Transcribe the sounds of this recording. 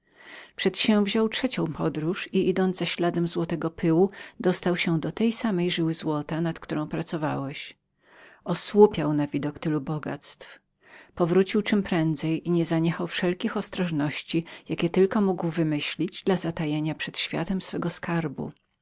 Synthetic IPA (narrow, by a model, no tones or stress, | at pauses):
pʂɛt̪ɕɛ̃w̃vʑɔwtʂɛt͡ɕɔ̃w̃pʰɔd̪ɾuʂiid̪ɔnd̪zaɕlad̪ɛmzwɔt̪ɛɡɔpʰɘwud̪ɔst̪awɕɛd̪ɔt̪ɛjsamɛjʐɘwɘzwɔt̪anat̪kt̪uɾɔ̃w̃pɾat̪sɔvawɛɕ | ɔswupʲjawnavʲid̪ɔkt̪ɘlubɔɡa̰t̪st̪f | pɔvɾut͡ɕiwt͡ʂɘmpɾɛnd̪zɛjiɲɛzaɲɛxawfʂɛlkʲixɔst̪ɾɔʐnɔɕt͡ɕijakʲɛt̪ɘlkɔmuɡwvɘmɘɕlʲid͡ʑd̪lazat̪ajeɲapʂɛt̪ɕfʲja̰t̪ɛmsfɛɡɔskaɾbṵ